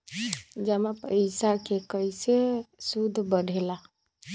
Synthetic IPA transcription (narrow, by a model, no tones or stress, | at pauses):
d͡ʒəmapə̰isakekəjsesud̪ʱːbəɽʱela